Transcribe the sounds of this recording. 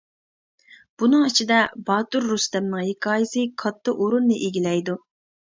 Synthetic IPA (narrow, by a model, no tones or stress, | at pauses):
b̥unɨŋit͡ʃʰid̪ɛbɑːt̪uɾːust̪ɛmnɨŋhekʰɑːjɪsɨkʰɑt̪ʰːɨʔoɾunːɨʔeɡʲilɛjd̪u